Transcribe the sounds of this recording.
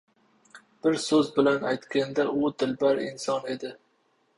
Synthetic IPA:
b̥ɪɾsɵzbɪlanajt̪kʲand̪aʔʊd̪ɪlbaɾɪnsɒne̞d̪ɪ

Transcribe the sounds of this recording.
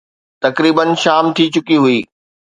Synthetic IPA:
t̪ɐkɾiːbənʃaːmt̪ʰit͡ɕʊkiɦʊiː

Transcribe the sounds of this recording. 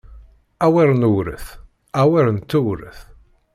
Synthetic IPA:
æwiɾnuwɾə̰θ | æwiɾənt̪ːuwɾə̰θ

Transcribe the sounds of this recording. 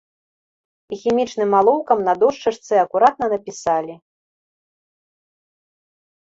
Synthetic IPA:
ixʲimʲit͡ʂnɨmːalˠɔwkɐmnɐd̪ɔʂt͡ʂɨʂt̪sɨɐkuɾat̪̚nɐnɐpʲisalʲi

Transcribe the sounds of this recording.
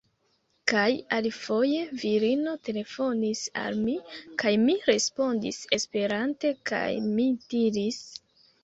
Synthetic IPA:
kajalifo̞je̞viɾino̞te̞le̞fo̞nisa̰lmikajmiɾe̞spo̞ndḭse̞spe̞ɾante̞ka̰jmidiɾis

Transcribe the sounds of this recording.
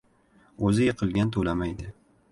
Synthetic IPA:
ɵzɪjɪqʰɨlˠɡʲant̪ʰolamajd̪ɪ

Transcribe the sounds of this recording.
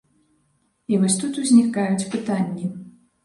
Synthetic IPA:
ivɔsʲt̪ut̪uzʲnʲikajut͡sʲpɨt̪anʲːi

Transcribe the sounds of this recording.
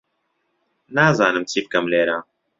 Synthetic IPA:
naːzaːnɨmt͡sʰiːb̚kɐmleːɾa

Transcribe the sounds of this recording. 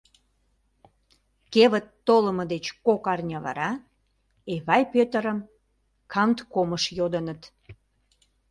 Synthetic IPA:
keβət̪ːoləməd̪et͡ɕkokɑrnʲɑβɑ̰ɾɑ | eβɑjpøt̪əɾəm | kʰɑmt̪koməʃjod̪ənət̪

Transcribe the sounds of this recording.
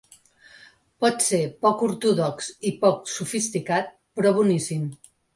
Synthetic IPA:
pɔt̪sepɔkuɾt̪uðɔksipɔksufist̪ikat̪̚ | pɾɔβunisim

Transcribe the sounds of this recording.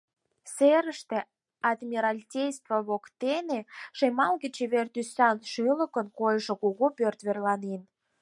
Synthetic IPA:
seɾəʃt̪ĕ | ɑd̪mʲiɾɑlʲtʲejst̪voβokt̪eneʃemɑlɣət͡ɕeβert̪ysɑnʃɯlə̆kənkojʒŏkuɣupørt̪βerlɑnen

